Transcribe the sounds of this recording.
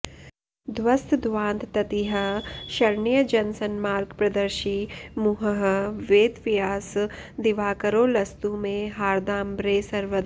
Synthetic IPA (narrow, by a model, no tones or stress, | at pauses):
d̪ʋɐst̪d̪ʋãːnt̪t̪ɐt̪iɦɐʃɐɾɳijəd͡ʒɐnsənmaːɾɡpɾɐd̪əɾʃimʊɦəɦʋeːd̪ʋɪjaːsd̪ɪʋaːkəɾoːlɐst̪umẽɦaːɾd̪aːmbɾeːsɐɾʋəd̪